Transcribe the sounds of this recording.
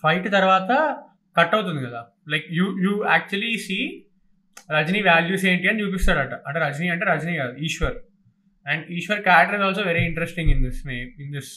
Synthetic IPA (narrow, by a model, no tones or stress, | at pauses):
fɐjʈt̪ɐɾʋaːt̪ɐ | kɐʈːɐwut̪und̪ikɐd̪aː | lɐjkjuːjuːæːk̚t͡ʃuɐlisiː | ɾɐd͡ʒniːʋaːljuːs̬eːɳʈiːɐnɖjuːp̬ist̪aːɽaɐːʈːɐʔɐɳʈeɾɐd͡ʒniːɐɳʈeːɾɐd͡ʒniːkaːd̪uiːʃʋɐɾ | ɛ̃ɳɖiːʃʋɐɾkaːʈɐɾizɔːls̬oːʋeɾiːɪɳʈɾesʈĩŋɡɪnd̪isneːmɪnd̪ɪs